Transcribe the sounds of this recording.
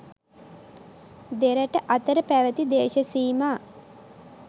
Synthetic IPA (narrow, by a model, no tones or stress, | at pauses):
d̪eɾəʈəʔat̪əɾəpæʋət̪id̪eːʃəsiːmaː